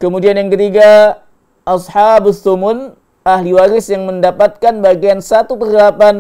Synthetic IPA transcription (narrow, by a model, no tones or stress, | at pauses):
kəmudianjaŋkət̪iɡa | ʔɑsħabʊsomʊn | ahliwaɾɪsjaŋməndapat̪̚kanbaɡiansat̪upərdəlapan